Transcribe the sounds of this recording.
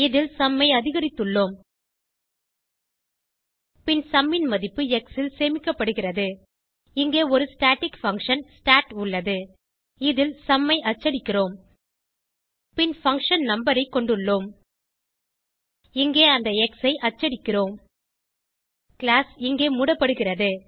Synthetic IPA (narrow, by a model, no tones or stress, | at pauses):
ɪðɪlsɐmːɐɪɐðɪɣɐɾɪt̪ːɯɭːoːm | pɪnsɐmːɪnmɐðɪpːɯɛksɪlseːmɪkːɐpːɐɽɯɣɪrɐðɯ | ɪŋɡeːɔɾɯsʈaːʈɪkfɐŋkʂɐnsʈaːʈʊɭːɐðɯ | ɪðɪlsɐmːɐɪʔɐt͡ʃːɐɽɪkːɪroːm | pɪnfɐŋkʂɐnnɐmbɐɾɐɪkːɔɳɖɯɭːoːm | ɪŋɡeːɐnd̪ɐɛksɐɪʔɐt͡ʃːɐɽɪkːɪroːm | kɪɭaːsɪŋɡeːmuɽɐpːɐɽɯɣɪrɐðɯ